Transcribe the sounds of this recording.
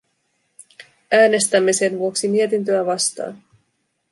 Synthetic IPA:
æːne̞st̪æmːese̞nʋuo̞ksimiet̪int̪̬øæʋɑst̪ɑ̰ːn

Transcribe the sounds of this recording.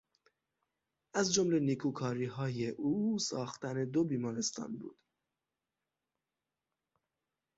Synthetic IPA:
ʔæzd͡ʒomle̞nikʰuːkʰɒːɾiːɦɒːjeʔuːsɒːxt̪æne̞d̪obiːmɒːɾe̞st̪ʰɒ̰ːnbṵːd̪̥

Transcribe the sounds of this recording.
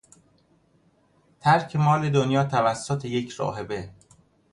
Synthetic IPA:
t̪ʰæɾkʰemɒːled̪onjɒːt̪ʰævæsːot̪ʰejecʰɾɒ̰ːɦe̞be

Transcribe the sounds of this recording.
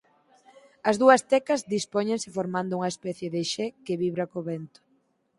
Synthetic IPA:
ɐzðuɐst̪ɛkɐzðispoɲẽnsɪfoɾmãnd̪ʊuŋɐespɛθjeðɪʃɛkeβiβɾɐkoβɛnt̪ʊ̥

